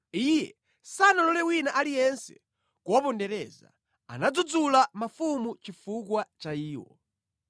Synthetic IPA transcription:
ijɛ̰ | sanalɔlɛwinaʔalijɛnsɛ̰ | kwɔpɔndɛɾɛza̰ | a̰nad͡zud͡zulamafumut͡ʃifukwat͡ʃaiːwɔ̰

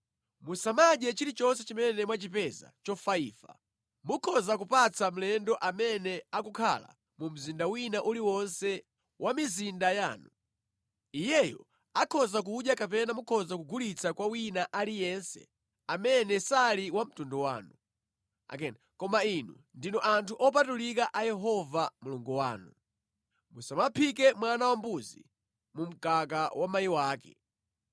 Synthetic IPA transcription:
musamaɡɛt͡ʃiɾit͡ʃɔns̬ɛt͡ʃimɛnɛmwat͡ʃipɛza̰t͡ʃɔfaḭːfa̰ | mukʰɔzakupat͡sʰam̩lɛndɔʔamɛnɛakukʰa̰la̰ | mum̩zindawinaʔuliwɔnsɛ | wʔamizindaja̰ːnu | ijɛjɔ̰ | akʰɔzak̬uɗjakapɛnamukʰɔzakuɡʱulit͡sʰakwawinaʔalijɛnsɛ̰ | amɛnɛsaliwam̩tundɔwa̰ːnu | a̰kɛnakɔmainu | ndinɔʔantʰuʔɔp̬atulik̬aʔajɛɦɔvamuluŋɡuwa̰ːnu | musamapʰik̬ɛmwanawambuzi | mum̩kakawamajiwaːkɛ̰

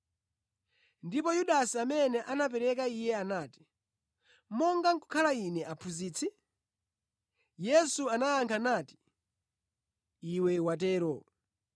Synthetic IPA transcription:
ndipɔjuɗasiamɛnɛʔanap̬ɛɾɛkaijɛanaːti̥ | mɔŋɡaŋku̥kʰalainɛʔapʰuziːt͡sʰi | jɛsuanaaŋkʰanaːti̥ | iwɛwatɛːɾɔ

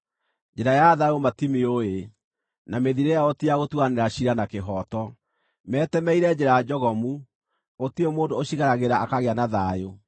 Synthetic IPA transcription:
d͡ʒeɾajaðaomatimeoe | nameðiɾejaɔtiaɣotwaneɾaɕiɾanakeɦɔtɔ | mɛːtɛmɛiɾɛd͡ʒeɾaad͡ʒɔɣɔmu | otiemoːndoːɕiɣaɾaɣeɾaakaɣeanaðajo

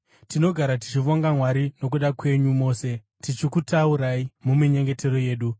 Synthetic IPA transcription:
tino̞ɡʱaɾati̥t͡ʃiʋoŋɡamwaɾino̞k̬uɗakwe̞ɲumo̞ːse̞ | tit͡ʃikutauɾaimumiɲe̞ŋɡe̞te̞ɾo̞je̞ːɗu

